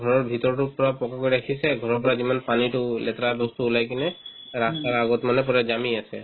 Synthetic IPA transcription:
ɡʱɔɹɔɹbʱitɔɹtʊpɔɹapɔkakoɹiɾakʰisɛɡʱɔɹɔɹpɔɹazimanpanitʊlɛt̪ɹabɔstuːlajkinɛ | ɹastaɹaɡɔtmanɛp̬ɔɹazamiasɛ̰

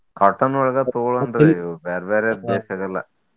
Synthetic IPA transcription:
kɐʈːɐnɔɭɐɡɐt̪oɭnd̪ɾebeːɾɐbeːɾed̪eːʃɐɡɐlːɐ̰

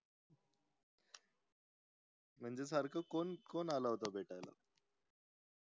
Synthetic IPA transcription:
m̤əɳd͡ʑes̬aɾkʰəkonkonalaɦot̪abʱeʈajla̰

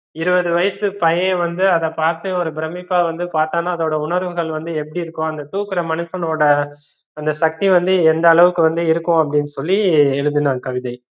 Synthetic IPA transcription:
ɪɾɯbɐðɯʋɐjɐsɯpɐjeːʋɐnd̪ɯɐðɐpaːɾt̪ɯɔɾɯbɪɾɐmːɪpːaːʋɐnd̪ɯpaːɾt̪aːnaːɐðoːɽɐʊɳɐɾʋɯɣɐɭʋɐnd̪ɯɛpːɐɽiɪɾɯkːõɐnd̪ɐt̪uːkɪɾɐmɐnɛsɐnoːɽɐː | nd̪ɐsɐk̚t̪iʋɐnd̪ɯɛnd̪ɐːɭɐʋɯkːɯʋɐnd̪ɯɪɾɯkːʊ̃ɐp̬ːɐɽɪnːɯsɔlːiɛɻɯðɯnãːkɐʋɪðɐɪ

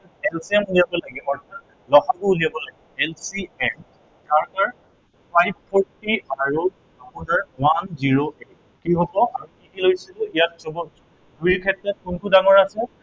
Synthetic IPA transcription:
ɛlsiɛmulijabɔlaɡɛmɔɹta | lɔxakʊulijabɔlaɡɛɛlsiɛm | kaɹkaɹ | pʰajbpʰɔɹtiaɹu | apunaɹwanziɹoʔe | kiɦobɔaɹukikilojsitʊijat̚zɔbɔ | duikʰɛtɹɔt̚kunkʰudaŋɔɹasɛ

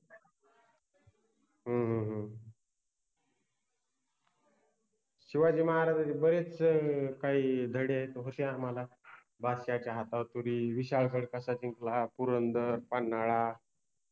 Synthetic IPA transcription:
ɦə̃ɦə̃ɦə̃ | ɕiʋad͡ʑiːməɦaɾad̪aibəɾet͡skaid̪ʱəɽeaɦet̪oɦot̪jãːmala | basjat͡ɕjaɦat̪awt̪uɾiːʋiɕaɭkəɽkəsat͡ɕiŋklapuɾənd̪əɾpanːaɭa

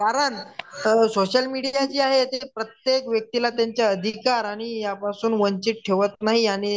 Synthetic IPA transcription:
kaɾəɳ | soɕəlmiɽiat͡ɕiːaɦet̪epɾət̪jekʋjək̚t̪ilat̪jaɲt͡ɕjaəd̪ʱikaɾaɽ̃ijapasuːnʋənt͡ɕiːʈ̚ʈʰeʋət̪naɦiaɽ̃i

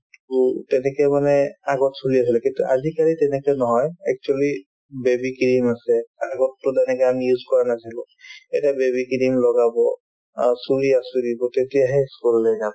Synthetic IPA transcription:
tutɛnɛkɛmanɛaɡɔtsuɹias̬ilɛkintṵʔazikaɹitɛnɛkɛnɔɦɔjɛk̚t͡ʃuali | bebikiɹimasɛaɡɔtːʊdanɛkanjuzkɔɹanasilɔ | ɛtabebikiɹimlɔɡabɔ | suɹiasudibɔtetijaɦɛskulːɛɡabɔ

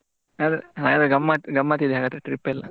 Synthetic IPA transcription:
ad̪ɾaːɡaːd̪ɾeɡɐmːaːt̪ɡɐmːaːt̪̬id̪eɦaːɡaːd̪ɾeʈɾipːɛlːɐ̰

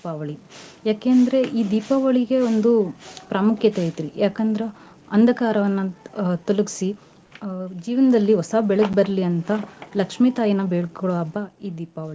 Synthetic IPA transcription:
ipaːʋɐɭijaːkeːjɐnd̪ɐɾe̞ʔiːd̪iːpaːʋɐɭiɡe̞ond̪upɾaːmukʰjɐt̪eːt̪iɾijaːkɐnd̪ɐɾe | ɐnd̪ʱɐkaːɾɐʋɐnːɐt̪ulɐki̥si | d͡ʒiːʋɐnɐd̪ɐlːiɦɔsaːbɛɭɐɡ̚bɐɾɐliɐnt̪ɐlɐkʂmiːt̪aːjinɐbeɭɐɭoːɐbːɐiːd̪iːpaːʋɐɭi

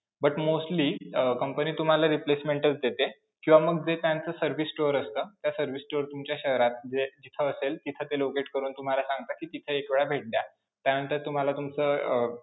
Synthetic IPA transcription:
bəʈmosʈliːkəmpəniːt̪um̤alaɾiplesmeɳʈət͡sd̪et̪e | kĩw̃ʋaməɡ̚d͡zet̪jant͡səsəɾʋisːʈoɾəst̪ət̪jasəɾʋisʈoɾt̪umt͡ɕjaɕəɦɾat̪̚d͡zed͡ʑit̪ʰəːselt̪it̪ʰət̪elokeʈkəɾuːnt̪um̤alasãŋɡt̪akiːt̪it̪ʰəekʋeɭabʱeʈ̚dja | t̪janənt̪əɾt̪um̤alat̪umt͡səː

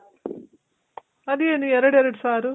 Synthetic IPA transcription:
ɐd̪ieːniɛɾɐɽeɾɐɽisaːɾu

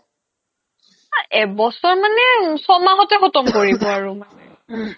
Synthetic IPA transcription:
aɛbɔsɔɹmanɛsɔmaɦɔtɛxɔtɔmkoɹibɔaɹʊmanɛ

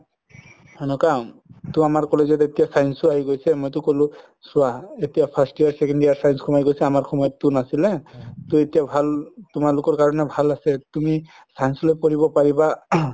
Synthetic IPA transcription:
hɔnɔkatʊamaɹkɔlezɔtetijasajnsuaɦiɡojsɛmojtʊkolʊ̃ | suaetijapʰasʈijaɹsɛkɛndijaɹsajnskʰɔmajɡojsɛamaɹxʰɔmɔjɔtːunasilɛtuetijabʱaltumalʊkɔɹkaɹɔnɛbʱalasɛtumi | sajnslojpɔɹibɔpaɹiba

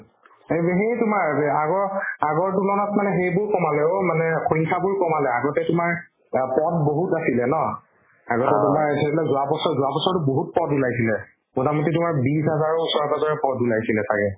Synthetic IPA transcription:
ebɦetʊmaɹaɡɔɹaɡɔɹtulɔnɔtmanɛɦejbʊɹkɔmalɛomanɛkʰuɹiŋkʰabʊɹkɔmalɛaɡɔtɛtʊmaɹ | pɔt̚boɦutasilɛnɔ | aɡɔtɛtʊmaɹtʰeibɔlazʊabɔsɔɹzʊabɔsɔɹtʊboɦut̚pɔtulajsilɛ | motamɔtitʊmaɹbisɦazaɹosɔɹkazɔɹɛpɔtulajsilɛsakɛ

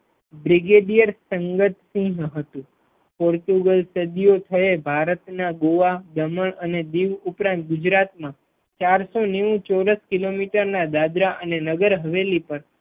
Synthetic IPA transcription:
bɾiɡeɖijəɾsəŋɡət̪sĩɦɦət̪ũ | pɔɾt̪uɡəlsəd̪ijot̪ʰəebʱaɾət̪naɡoʋad̪əməɳəned̪iʋupɾãnt̪̚ɡʊd͡ʒɾat̪mã | t͡ʃaɾsoneʋũt͡ʃɔɾəskilomiʈəɾnad̪ad̪ɾaʔənenəɡəɾɦəʋelipəɾ

